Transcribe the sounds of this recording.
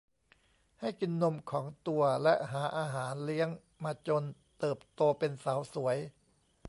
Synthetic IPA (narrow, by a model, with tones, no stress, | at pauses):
ha˥˩jki˧nːo˧mkʰɔː˩˦ŋt̪u˧ɐlɛ˦˥ʔɦaː˩˦ʔaː˧ɦaː˩˦nli˦˥əŋ | maː˧t͡ɕo˧nt̪ɤː˨˩p̚t̪oː˧pe˧nsaː˩˦wsu˩˦əj